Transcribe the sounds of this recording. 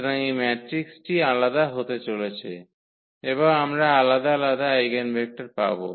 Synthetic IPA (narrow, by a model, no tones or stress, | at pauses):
ɾaŋimɛʈɾiksʈialad̪aɦot̪et͡ɕolet͡ɕʰḛ | eβoŋamɾaalad̪alad̪aajɡenbʱek̚ʈaɾpa̰bo̰